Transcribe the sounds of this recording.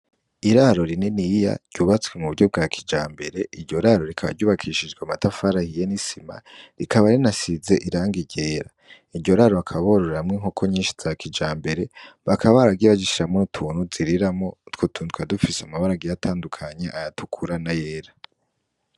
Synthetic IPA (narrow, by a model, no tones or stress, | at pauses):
iɾaɾo̞ɾinenija̰ɾɟ̥uːβat͡swe̞muβuɾɟo̞b̚ɡakʰid͡ʒaːmbe̞ɾe̞ʔiɾɟo̞ɾaːɾo̞ɾikʰaβa̰ɾɟuːβakʰiʃid͡ʒɡweamatafaɾahijenisima̰ɾikʰaβaɾinasize̞ʔiɾaːŋɡiɟe̞ːɾa | iɾɟo̞ɾaɾoakʰaβoɾoɾeɾamŋeŋokʰo̞ɲiːnʃi̥z̥akid͡ʒaːmbe̞ɾe̞βakʰaβaaɾaɡiβad͡ʒiʃiɾamotʰuːnhuziɾiɾamo̞twotʰuːntwadufiseamaβaɾaɡijatʰaːndukʰaɲe̞ʔajatʰukʰuɾanajeːɾa